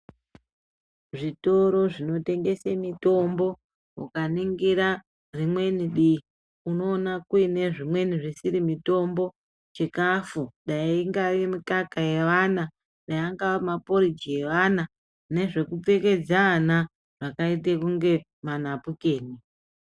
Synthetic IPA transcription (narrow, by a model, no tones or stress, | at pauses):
ʐito̞ɾo̞ʐino̞te̞ŋɡe̞semito̞mbo̞̰ | kaniŋɡiɾa | rimwe̞niɗi | uno̞ːnakuine̞ʐimwe̞niʐisiɾimito̞mbo̞ | t͡ʃekafuɗaiŋɡaemikakaje̞ʋana | ɗajaŋɡaʋamapo̞ɾid͡ʒije̞ʋana | ne̞ʐe̞kup͡fe̞ke̞d͡zana | ʐakait̬ekuŋɡe̞ | manapuke̞ːni